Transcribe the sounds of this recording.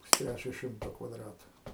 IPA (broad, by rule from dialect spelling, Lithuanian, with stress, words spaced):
pʊsʲˈtʲrʲæt͡ʃʲoː ˈʃʲɪmtoː kʋɐˈdrɑːtʊ